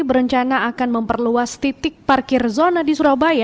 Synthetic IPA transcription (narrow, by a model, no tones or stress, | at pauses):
bəɾəɲt͡ʃanaakanməmpərluast̪it̪ɪk̚parkɪrzonadisuɾabaja